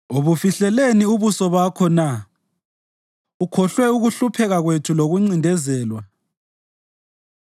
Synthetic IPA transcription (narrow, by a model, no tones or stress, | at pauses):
oβufiɬɛleniuβusɔβakʰɔna | ukʰɔɬwɛuɣuɬupʰɛɣaɣwetʰuloɣuŋ͡ǀindʱɛzɛːlwa